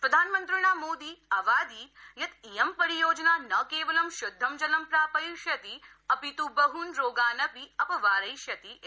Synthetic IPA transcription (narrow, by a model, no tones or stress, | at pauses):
pɾɐd̪ʱaːnmə̃nt̪ɾiɽ̃amoːd̪iɐʋaːd̪iːt̪jɐt̪ijɐmpɐɾijoːd͡ʒnanɐkeːʋɐlɐmʃʊd̪ʱːɐmd͡ʒɐlɐmpɾaːpəjʃjɐt̪i | ɐpit̪ubɐɦunɾoːɡaːnɐpiɐpɐʋaːɾɐjʃjɐt̪i